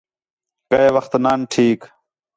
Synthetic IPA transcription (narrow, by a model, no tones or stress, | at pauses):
kɐeːʋɐxt̪naːnʈʰiːk